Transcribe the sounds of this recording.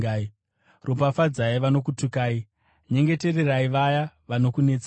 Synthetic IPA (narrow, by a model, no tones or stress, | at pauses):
aːi | ropafad͡zaiʋano̞k̬utukaːi | ɲe̞ŋɡe̞te̞re̞raiʋajaʋano̞kune̞ːt͡sa